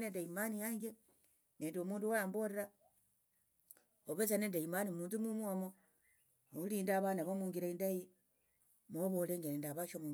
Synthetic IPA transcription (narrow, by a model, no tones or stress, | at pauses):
nendaimanijaŋɡe | neːndomuːnduwaaːmboɾeɾa | oβesanendaimanimuːntumumwamo | oliːndaβanaβomuːŋɡiɾaindaji | moβoleŋɡenendaβaʃomu